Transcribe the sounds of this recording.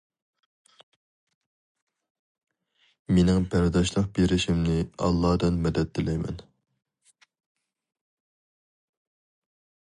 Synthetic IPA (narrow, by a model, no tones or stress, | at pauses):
menɪŋbʰæɾd̪ɑʃlˠəq̚beɾɪʃimnɪɑ̰lˠːɑːd̪ɨnmɛd̪ɛt̪̚d̪ɪlɛjmɛ̰n